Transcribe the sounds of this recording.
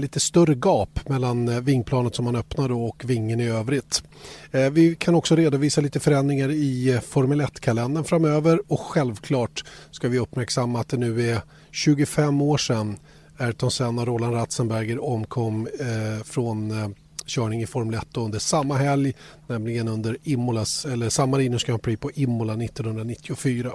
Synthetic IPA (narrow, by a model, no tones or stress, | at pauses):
liːt̪əst̪ɵrəɡɑːpmɛlːanvɪŋːpʰlɑːnət̪sɔmhanœpnaɖɔɔkvɪŋːənɪøːvɾɪt̪ | vɪkʰanɔksɔɾeːd̪ʊviːsaliːt̪əfœɾɛnd̪ɾɪŋaɾɪfɔɾmɵlɛt̪ːkʰalɛnd̪ənfɾamøːvəɾɔkɧɛlvkʰlɑːʈskavɪɵpːmæɾksamːaːt̪̚d̪ɛnʉ̟ːæ | ɕʉ̟ːɡʊfɛmːoːʂɛnː | æt̪ʰɔnsɛnːaɾoːlanɾat̪sənbæɾɡəɾɔmːkʰɔmː | fɾɔn | ɕœːɳɪŋɪfɔɾməlɛt̪ːoɵnd̪əʂamːaɦɛljnɛmlɪɡənɵnd̪əɾɪmːʊlasɛlːəʂamːaɾɪnəʂkapʰɾiːpʰɔʔɪmːʊlanɪt̪ːɔnhɵnd̪ɾanɪt̪ʰːɪʊfyːɾa